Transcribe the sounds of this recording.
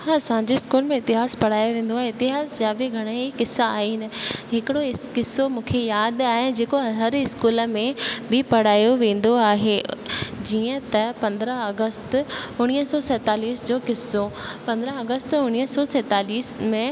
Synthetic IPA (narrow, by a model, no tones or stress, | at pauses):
sãːɲd͡ʑeɪskuːlmẽɪt̪ɪɦaːspɐɽ̤aːjoʋẽːn̆d̪oaːɦeɪt̪ɪɦaːsd͡ʑaːbiɡʱɐɽ̃əikɪsːaːɦeɪnɪ̆ɦɪkɪɽoɪkɪsomũːkʰejaːd̪aːɦɪnɪd͡ʑeːkoɦɐɾɪskuːlə̆mẽbɪpɐɽ̤aːjoʋẽːn̆d̪oaːɦed͡ʑiːə̃t̪ɐpɐ̃nd̪ɾəɦɐɡəst̪ʊɽ̃iɦəsɔːsɛːt̪aːliːsd͡ʑoːkɪsopɐ̃nd̪ɾəɐɡəst̪ʊɽ̃iːəsɔːsɛːt̪aːliːsmẽ